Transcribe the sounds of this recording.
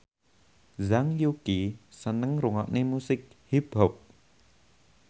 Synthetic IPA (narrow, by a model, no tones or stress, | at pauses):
zaŋjukisənəŋruŋaʔnemusɪk̚hibɦɔp̚